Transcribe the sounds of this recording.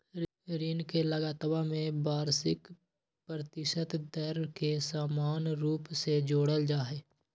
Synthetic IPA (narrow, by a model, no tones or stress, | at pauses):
ɾiːnkeləɡaːt̪əbamẽbaːɾsɪk | pɾət̪ɪʃət̪d̪əɾkesaːmaːnɾuːpsed͡ʒoːɽəld͡ʒaːɦeː